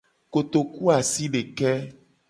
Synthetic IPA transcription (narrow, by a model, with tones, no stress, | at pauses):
ko˨t̪o˨ku˦a˨si˦ɖe˨kɛ˦